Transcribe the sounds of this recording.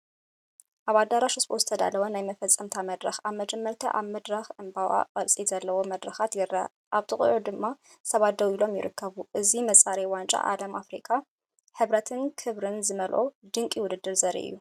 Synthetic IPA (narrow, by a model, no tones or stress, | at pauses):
ʔaβad̪aɾaʃɨsbʼozɨt̪ʰɐd̪a̰lɐwɐnajmɐfɐt͡sʼːɐmt̪ʰamɐd̪ɾɐxaβmɐd͡ʒɛmːɐɾt̪ʰɐ̰ʔaβmɐd̪ɾɐxʔɨmbawa̰qʼɐlsʼizɐlːɐwo̞mɐd̪ɾɐxat̪jɪɾɐ̰ | ʔaβt̪ʰɨkʼʕud̪ɨmːa | sɐβat̪̚d̪ɐwilo̞mjɪ̰ɾɨkʰːɐβuʔɨzimɐsʼaɾɐwant͡ʃʼa̰ʔalɐmʔafɾikʰa | ħɨβɾɐt̪ʰɨnkʰɨβɾɨnzɨmɐlʔo̰d̪ɨŋkʼiwʊd̪ɨd̪ːɨɾzɐɾḭʔɨ̰jːu